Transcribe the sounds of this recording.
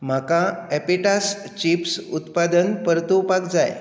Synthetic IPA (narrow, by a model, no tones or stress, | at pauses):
m̤akãɛpiʈas | t͡ɕipsut̪pad̪ənpəɾt̪upakd͡zaj